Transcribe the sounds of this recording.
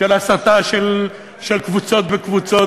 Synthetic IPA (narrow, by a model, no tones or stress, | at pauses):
elasat̪aʃel | ʃelkvut͡so̞t̪vekvut͡so